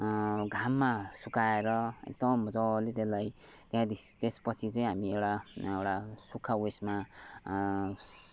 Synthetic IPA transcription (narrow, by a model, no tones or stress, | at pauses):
ɡʱamːasukaeɾʌḛk̚d̪ʌmd͡zʌlet̪elajt̪jɦãd̪it̪espʌt͡sʰit͡sʌĩɦamiewʈaewʈasukʰːawesma